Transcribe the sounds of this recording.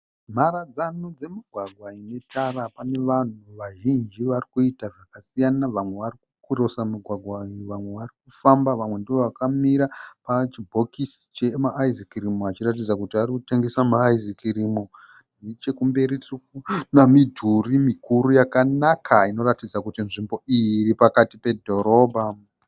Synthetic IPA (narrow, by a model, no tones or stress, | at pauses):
m̤arad͡zanod͡ze̞miɡʱwaɡʱwaine̞tarapane̞ʋan̤uʋaʒind͡ʒiʋarikuitaʐakasijanaʋamwe̞ʋarikukuro̞samiɡʱwaɡʱwauʋamwe̞ʋarikufambaʋamwe̞ndiʋo̞ʋakamiɾapat͡ʃibʱo̞kisi̥t͡ʃemaʔːizikirimoat͡ʃirat̬id͡zakutiarikuteŋɡesamaːizikirimo | net͡ʃe̞kumbe̞ɾitukunamidʱurimikuɾujakanakʰaino̞ratid͡zakutinʐimbo̞ijiripakatipe̞dʱo̞ɾo̞ːbʱa